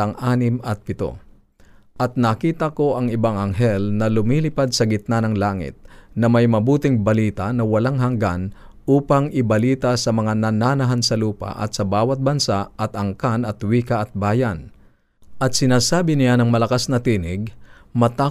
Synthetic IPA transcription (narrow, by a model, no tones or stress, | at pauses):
ɐŋʔaːnɪmɐt̪̚pɪt̪o̰ | ʔɐt̪̚nɐkiːt̪ɐko̞ʔɐŋɪbaŋɐŋɦɛlnɐlʊmiːlɪpad̪̚sɐɡɪt̪̚nanɐŋlaːŋɪ̰t̪̚nɐmɐjmɐbuːt̪ɪŋbɐliːt̪anɐwɐlaŋɦɐŋɡan | uːpɐŋɪbɐliːt̪asɐmɐŋanɐnaːnɐɦansɐluːpa̰ʔɐ̰t̪sɐbaːwɐt̪̚bɐnsaɐt̪ɐŋkanɐt̪wiːkɐʔɐt̪̚baːjɐn | ʔɐt̪̚sɪnaːsaːbɪnɪjanɐŋmɐlɐkasnɐt̪iːnɪɡ̚mɐt̪a